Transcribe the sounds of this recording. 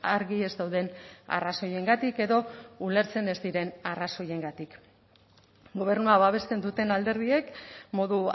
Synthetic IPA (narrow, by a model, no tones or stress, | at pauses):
aɾɣie̞zd̪awðe̞na̰raso̞je̞ŋɡat̪ike̞ðo̞ule̞ɾt͡se̞ne̞zd̪iɾe̞naraso̞je̞ŋɡat̪ik | ɡo̞β̞e̞rnuaβaβ̞e̞st̪e̞nd̪ut̪e̞nald̪e̞ɾðie̞kmo̞ðu